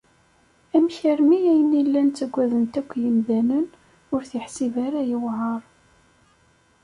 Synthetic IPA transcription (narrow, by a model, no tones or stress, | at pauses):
æmçəɾmiæjənilːænt̪t͡sːæɡʷːæðənt̪ækʷːjəmðænən | ʊɾθjəħsivaɾajəwʕəɾˤ